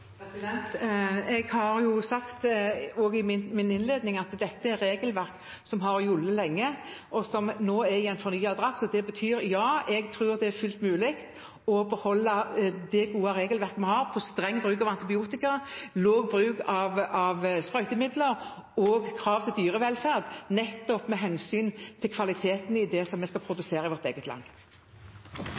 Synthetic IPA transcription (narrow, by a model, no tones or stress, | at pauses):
sɪd̪ɛnt̪ɛɡhɑɾjʊsɑkt̪oːɡɪmɪmɪnɪnleːd̪nɪŋɑt̪d̪ɛt̪ːəɛɾɾeːɡəlʋæʁk | sɔmɦɑɾjʊlːəlɛŋːə | ɔsɔmnoːɛɾɪɛnfɔɾnyːɑd̪ɾɑksɔd̪ɛbət̪ʰyːɾjɑːɛɡt̪ʰʁʉːʁd̪ɛæɾfʉlt̪mʉːlɪkt̪ | ɔbəhɔlːɑd̪ɛɡuːɑɾeːɡəlʋæɾkəmɛhɑːʁpʰɔst̪ɾɛŋːbɾʁʉːkɑʋɑnt̪ɪbɪuːt̪ɪkɑloːɡ̚bɾʉːkɑʋɑʋspɾœʏk̪əmɪd̪ləɾ | ɔːɡkʰɾɑːʋt̪ʰɪld̪yːɾəʋɛlfæʁd̪nɛt̪ːɔpmɛɦɛnsyːnt̪ʰɪlkʰʋɑlɪt̪ʰeːt̪n̩ɪd̪ɛsɔmɛskɑpʰɾʊd̪ʉseːɾɑɪʋɔɾt̪ḛːɡət̪ʰlɑ̰ŋː